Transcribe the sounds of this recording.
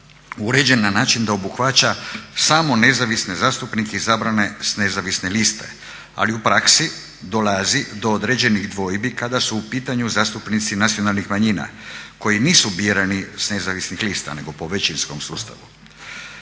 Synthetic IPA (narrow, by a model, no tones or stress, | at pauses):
uɾe̞d͡ʑe̞nːanaːt͡ʃind̪aobuxʋat͡ɕasaːmo̞ne̞zaʋisne̞zaːst̪upnikeizaːbɾane̞sne̞zaʋisnelist̪e̞̰ | a̰liupɾaksi | d̪o̞lazid̪o̞od̪ɾed͡ʑe̞niɣd̪ʋo̞jbikad̪asuːpiːt̪aɲuzaːst̪upnit̪sinat̪sio̞nalˠnixmaɲiːna̰ko̞jiniːsubiɾanisne̞zaʋisnixliːst̪a̰ne̞ɡo̞po̞ʋet͡ʃinsko̞msuːst̪a̰ʋu